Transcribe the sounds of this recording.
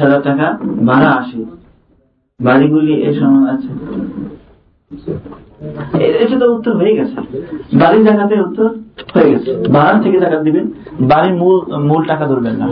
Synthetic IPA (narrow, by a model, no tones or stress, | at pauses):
ʃad̪aɾʈakabʱaɾaaʃi | baɾiɡuliiʔeʃɔmoat͡ɕʰe | eeʈut̪out̪ːoɾɦojeɡɛt͡ɕʰḛbaɾit̪akat̪eut̪ːoɾhoeɡɛt͡ɕʰebʱaɾaɾt̪ʰeked̪akad̪iben | baɾimulmulʈakad̪oɾbenːa̰